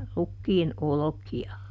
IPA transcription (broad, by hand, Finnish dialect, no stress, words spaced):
rukːiːn olokiɑ